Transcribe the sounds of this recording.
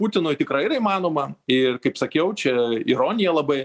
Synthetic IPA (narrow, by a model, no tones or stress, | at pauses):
puːt̪ʲɪnʊjt̪ʲɪkɾɐɪiɾɐimɑːnoːmɐɪrkɐɪpsɐkʲɛʊt͡ʃʲɛiɾoːnʲɪjɛlˠɐbɐɪ